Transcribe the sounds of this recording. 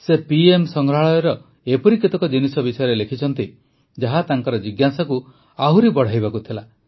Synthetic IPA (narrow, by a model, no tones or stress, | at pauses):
sepiemsɔŋɡɾɦaɭɔjɔɾɔ | epɔɾikit̪ɔkɔd͡ʒinisɔbisɔjɔɾelekʰit͡ʃʰɔnt̪i | d͡ʒaɦat̪aŋkɔɾɔd͡ʒiɡjasaku | aɦuɾibɔɽ̤ajβakut̪ʰila